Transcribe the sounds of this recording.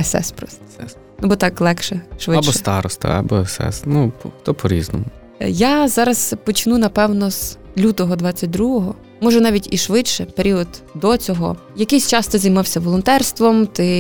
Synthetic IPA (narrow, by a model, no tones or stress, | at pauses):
ɛsɛ̰spɾɔst̪ɛ | nubɔt̪ɑklˠɛkʃɛʃʋɪɐbʃɔst̪ɑɾɔst̪a̰ɐ̰bɔɛsɛ̰snupɔxt̪ɔpɔɾʲiznɔmʊ | jazɑɾɐz̥pɔt͡ʃɪnunɐpɛwnɔz̥lʲut̪ɔɦɔd̪ʋɑt͡sʲːɐt̚ʲd̪ɾuɦɔɦɔ | mɔʒɛnɑʋʲitʲiʃʋɪt͡ʃʃɛpeɾʲiɔd̪d̪ɔt͡sʲɔɦɔ̰jɐkɪjsʲt͡ʃɑst̪ɪzɐjmɑwsʲɐʋɔlˠɔnt̪ɛrst̪ʋɔmt̪ɪ